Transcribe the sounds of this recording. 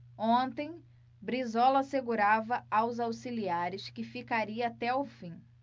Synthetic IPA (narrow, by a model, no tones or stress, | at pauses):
õt̪ẽj̃ | bɾizɔlɐseɡuɾavɐawzawsiliaɾɪskɪfikaɾiɐat̪ɛʊfĩ